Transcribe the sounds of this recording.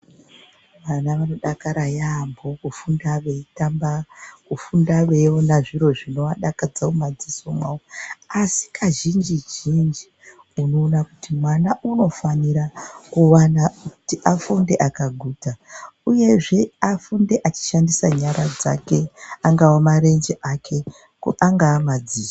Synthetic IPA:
ʋanaʋano̞ɗakaɾajambo̞kufundaʋe̞itambakufundaʋe̞wonaʐiɾo̞ʐino̞aɗakad͡zaomad͡ziso̞mwaoasi̥kʰaʒind͡ʒid͡ʒind͡ʒi | uno̞ːnakutimwanaʔuno̞faniɾakuwanakutiʔafunde̞ʔakaɡʱuːtauje̞ʐe̞afunde̞ʔat͡ʃi̥ʃandisaɲaɾad͡za̰ke̞aŋɡawamaɾe̞nd͡ʒeʔakʰe̞ | kuʔaŋɡaːmad͡ziːsa

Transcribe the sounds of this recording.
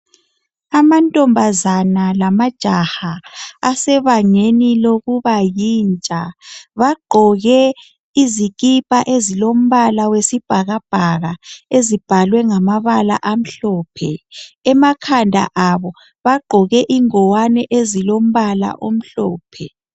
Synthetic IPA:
amantʼɔmbʱazanalamad̥ʒ̥ʱahaːsɛβaŋeniloɣuβajiːnt͡ʃʼaβaɡ͡ǃʱɔɣɛ | iziɣʼipʼaʔezilom̩βalawesib̥ʱaɣab̥ʱaɣaezib̥ʱalwɛŋamaβala̰ʔam̩ɬɔːpʰɛːmakʰandʱa̰ʔaβɔ | βaɡ͡ǃʱɔɣɛʔiŋɔwanɛʔezilom̩βala̰ʔom̩ɬɔːpʰɛ

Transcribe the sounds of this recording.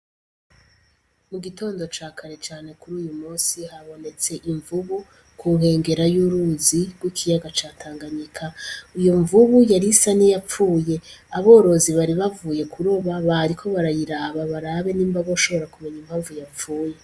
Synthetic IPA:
muɡito̞ːndo̞t͡ʃaːkʰaɾe̞t͡ʃaːne̞kuɾuːjumuːnsihaβo̞ne̞t͡se̞ʔiɱvuβu | kuɦe̞ːŋɡe̞ɾajuɾuzibɡwikʰijaɡat͡ʃaːtʰaːŋɡaɲikʰaijoɱvuβujaɾisanijap͡fuːje̞aβo̞ɾo̞ziβaɾiβavuːje̞kʰuɾoβaβaɾikʰo̞βaɾajiɾaːβaβaɾaβe̞niːmbaɡouʃo̞βo̞ɾakume̞ɲim̥haːɱvujap͡fuːje̞

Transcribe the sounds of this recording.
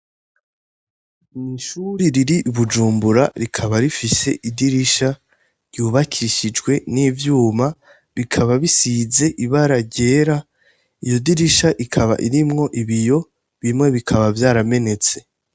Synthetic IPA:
niʃuɾiɾiɾiʔuβud͡ʒuːmbuɾaɾikʰaβaɾifise̞ʔidiɾiʃa | ɾjuːβakʰiɾiʃid͡ʒɡwe̞nivjuːma | βikʰaβaβisize̞ʔiβaɾaɾɟe̞ːɾa | ijo̞diɾiʃaʔikʰaβa̰ʔiɾimŋo̞ʔiβijo̞ | βimŋe̞βikʰaβavjaːɾame̞ne̞t͡se̞

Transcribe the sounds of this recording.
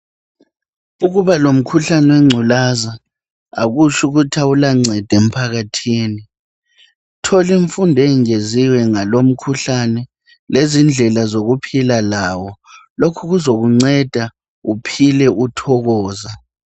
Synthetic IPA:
uɣuβalom̩kʰuɬanɛwɛŋ͡ǀʱulaza̰ː | ɣut͡ʃʰuɣutʰaulaŋ͡ǀʱɛd̥ʱem̩pʰaɣatʰiːni | tʰɔliɱfundʱɛŋeziwɛŋalom̩kʰuɬanɛ | lezind͡ɮʱɛlazoɣupʰilalaːwɔlokʰuɣuzoɣuŋ͡ǀɛd̥ʱa | upʰilɛʔutʰɔɣɔːza

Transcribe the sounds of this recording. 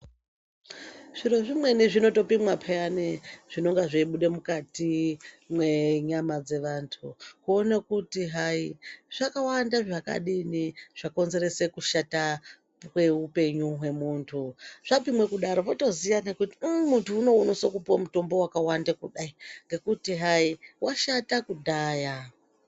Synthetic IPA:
ʐ̥iɾoʐimwe̞niʐino̞to̞pimwapʰeaniʐ̥ino̞ŋɡaʐiiɓuɗe̞mukati | mwe̞ɲamad͡ze̞ʋaːntʰukuonekutiɦaiʐ̥akawandaʐaka̰ɗiniʐ̥ako̞nze̞re̞se̞kuʃata | we̞upe̞ɲuɦwe̞muːntʰuʐ̥apimwe̞kuɗaɾo̞ʋoto̞zijane̞kutimuntʰuːno̞unosokupomuto̞mbo̞wakawandekuɗaiŋɡe̞kutiɦaiwaʃatakudʱaːja

